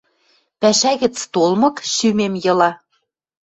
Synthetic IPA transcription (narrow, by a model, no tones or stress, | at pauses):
pæʃæɣɘ̆t͡st̪olmɤ̆kʃymemjɤ̆lɑ